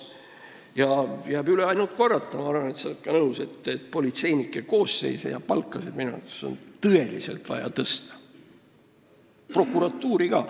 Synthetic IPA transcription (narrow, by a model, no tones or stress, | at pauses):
jɑjæːbyleɑjnult̪̚korːɑt̪ːˑɑmɑɑrvɑnet̪sɑt̪̚kɑnɤwse̞t̪ːet̪po̞lit̪se̞jnikːˑeko̞ːsːe̞̰jsḛjɑ̰pɑlkːˑɑse̞d̪̥minṵt̪ːˑe̥so̰nt̪ɤe̞lise̞̰lt̪vɑ̰jɑ̰t̪ɤst̪ɑ̥ | pro̞kːˑuɾɑt̪ːuːɾiɡɑː